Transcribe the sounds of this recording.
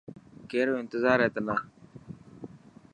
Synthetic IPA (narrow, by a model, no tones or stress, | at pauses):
keːɾoːɪnt̪ɪzaːɾɦeːt̪ənaː